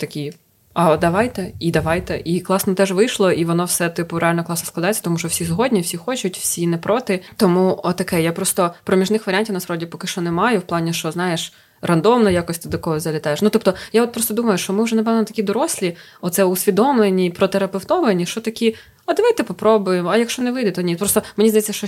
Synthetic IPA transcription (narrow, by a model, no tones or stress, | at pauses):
t̪ɐkʲi | ɐd̪ɐʋɑjt̪ɛid̪ɐʋɑjt̪ɛʔiklˠɑsnɔt̪ɛʒʋɪjʃlˠɔʔiʋɔnɔwsɛt̪ɪpʊɾealʲnɔklˠɑsnɔ̥sklˠɐd̪ajet͡sʲːɐt̪ɔmuʃt͡ʃɔwsʲisʲɦɔdʲnʲiwsʲixɔt͡ʃʊtʲw̥sʲinɛpɾɔt̪ɪt̪ɔmuɔt̪ɐkɛjapɾɔst̪ɔpɾɔmʲiʒnɪxʋɐɾʲanʲtʲiwnɐspɾɔdʲipɔkɪʃt͡ʃɔnɛmɑjʊwplˠɑnʲiʃt͡ʃɔznɑjeʃ | rʔɐnd̪ɔmnɐjakɔsʲt̪ɪd̪ɔkɔɦɔzɐlʲɐt̪ɑjeʃnut̪ɔp̚t̪ɔjaɔt̪̚pɾɔst̪ɔd̪umɐjʊʃt͡ʃɔmɪʊʒɛnɐpɛʋnnɔt̪ɐ̥kʲid̪ɔɾɔsʲlʲi | ɔt̪sɛʊsʲʋʲid̪ɔmlˠenʲipɾɔt̪eɾɐpewt̪ɔʋɐnʲːiʃt͡ʃɔt̪ɐkʲi | ɐd̪ɐʋajt̪ɛpɔpɾɔbʊjemɐjɐkʃt͡ʃɔnɛʋɪd̪ɪt̪nʲipɾɔst̪ɔmenʲizd̪ɐjɛt͡sʲːɐʃt͡ʃɔ